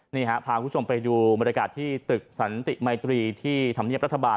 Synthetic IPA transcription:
niː˧˩ɦaː˩˦˥pʰaː˧kʰu˥˩o˧mpa˧jduː˧ba˨nja˧kaː˨˩t̪ʰːiː˥˩t̪ɯ˨˩k̚sa˩˦nt̪i˨˩ma˧t̪ɾiː˧t̪ʰiː˥˩t̪ʰa˧mn˥˩əɾa˦˥t̪ːʰa˧baː˧

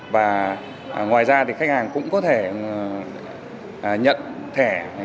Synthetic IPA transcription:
vaː˨˩ | ŋwaː˨˩jzaː˧t̪ʰi˨˩xk̚haː˨˩ŋkʊ̰˧˥ŋ͡mkɔ˨˦t̪ʰe˧˩˨ | ɲə̰˧˨nt̪ʰɛ˧˩

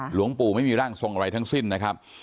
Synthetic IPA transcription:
lu˩˦əŋpuː˨˩ma˥˩jmiː˧ɾaː˥˩ŋso˧ŋʔa˧ɾa˧jt̪ʰa˦˥ŋsi˥˩nːa˦˥kʰa˦˥p̚

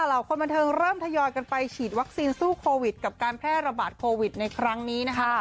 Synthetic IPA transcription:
a˨˩laː˨˩˦wkʰo˧nmba˧nt̪ʰɤː˧ŋɾɤː˥˩mt̪ʰa˧jɔː˧jka˧npa˧jkʰiː˨˩t̪̚wa˦˥k̚siː˧nsuː˥˩kʰoː˧wi˨˩t̪̚ka˨˩p̚kaː˧npʰɾɛː˥˩ɾa˧baː˨˩t̪̚kʰoː˧wi˨˩t̪̚na˧jkʰɾa˦˥ŋniː˦˥na˦˥kʰa˦˥˩

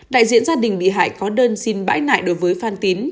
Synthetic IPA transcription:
ɗa̰ː˧˨jzḭ˧˨ənzaː˧ɗï˨˩ŋ̟ɓḭ˧˨ɦa̰ː˧˨jkɔ˨˦ɗəː˧nsi˧nɓa̰ː˧˥jna̰ː˧˨jɗo˨˦jvəː˨˦jfaː˧nt̪i˨˦n

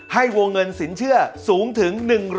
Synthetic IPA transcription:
ha˥˩jwoː˧ŋːɤ˧nsi˩˦nt͡ɕʰɯ˥˩ɐsuː˩˦˥ŋt̪ʰɯ˩˦ŋnɯ˨˩ŋɾ

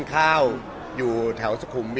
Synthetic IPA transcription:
nkʰaː˥˩w | juː˨˩t̪ʰɛ˩˦wsa˧kʰu˩˦mbi˧

